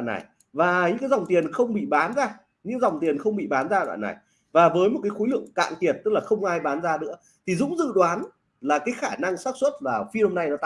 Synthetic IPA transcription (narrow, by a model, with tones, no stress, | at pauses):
a̰ː˧˨na̰˨˩j | vaː˨˩ɲɨ̰˧˥ŋkaː˨˦jza˨˩wŋ͡mt̪i˨˩ənxə˧wŋ͡mɓḭ˧˨ɓaː˨˦nzaː˧ | ɲɨ̰˧˥ŋza˨˩wŋ͡mt̪i˨˩ənxə˧wŋ͡mɓḭ˧˨ɓaː˨˦nzaː˧ɗwa̰ː˧˨na̰˨˩j | vaː˨˩vəː˨˦jmo˨˩t̚kaː˨˦jxo˨˦lɨ̰˧˨əŋka̰ː˧˨ŋt̪i˨˩ət̚t̪ɨ˦˥k̚laː˨˩xə˧wŋ͡mʔaː˧jɓaː˨˦nzaː˧nɨ̰˧˥ə | t̪ʰi˨˩zʊ̰˧˥ŋ͡mzɨ̰˧˨ɗwaː˨˦n | laː˨˩kaː˨˦jxaː˧˩na˧ŋsa˦˥k̚swə˦˥t̚vlaː˨˩fi˧ho˧mna˧jnɔ˨˦t̪